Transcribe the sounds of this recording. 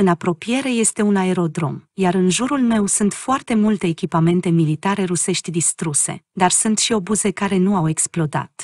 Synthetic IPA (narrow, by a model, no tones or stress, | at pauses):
ɨnapɾo̞pije̞ɾe̞je̞st̪e̞unae̞ɾo̞d̪ɾo̞̰mjaɾɨnʒuɾulme̞wsunt̪foart̪e̞mult̪e̞ːkʲipame̞nt̪e̞milit̪aɾe̞ɾuse̞ʃt̪ʲd̪ist̪ɾuse̞̰d̪arsunt̪ʃio̞buze̞kaɾe̞nuawe̞ksplo̞d̪a̰t̪